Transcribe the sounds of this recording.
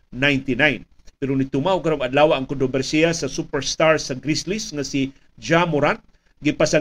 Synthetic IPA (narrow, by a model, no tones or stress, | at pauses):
najnt̪inajn | pɛɾonit̪umaʊkaɾoŋad̪lawaʔːŋkɔnt̪ɾobɛɾsiasasupɛɾst̪aɹsaɡɾislisŋasi | d͡ʒamʊɾat̪̚ | ɡipasa